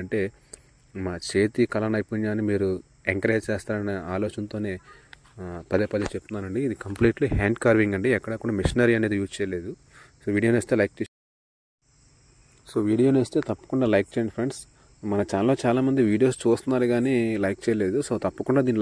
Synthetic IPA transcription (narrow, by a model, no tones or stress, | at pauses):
ɐɳʈe̞ː | maːt͡ʃeːt̪ikɐlɐnɐjpuɲjaːnimiːɾu | eŋkɐɾet͡ʃɛːst̪aːɾɐnɐaːloːt͡ʃɐnt̪o̞ːne̞ː | pɐd̪eːpɐd̪et͡ʃeput̪unːaːnɐɳɖiːd̪ikɐmpliːʈliɦaːɳɖkaːɾʋiŋɡɐɳɖiɛkːɐɽɐkuːɽaːmiʂinɐɾiɐneːd̪ijuːst͡ʃɛːjɐle̞ːd̪u | soːʋiːɽijoneːst̪e̞ːlɐjk̚t͡ʃeː | so̞ːʋiːɽijo̞ːneːst̪e̞ːt̪ɐpːɐ̥kuɳɖaːlɐjk̚t͡ʃeːɳɖpʰɾeɳɖs | mɐnɐt͡ʃaːloːt͡ʃaːlaːmɐnd̪iʋiːɽijo̞ːst͡ʃuːst̪unːaːɾuɡaːneːlɐjk̚t͡ʃɛːjɐleːd̪uso̞ːt̪ɐpːɐkuɳɖaːd̪iːnːi